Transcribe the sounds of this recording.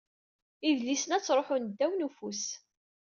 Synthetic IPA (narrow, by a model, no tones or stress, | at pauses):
iðlisənæt͡sːɾˤoħʊnd̪ːæwnufus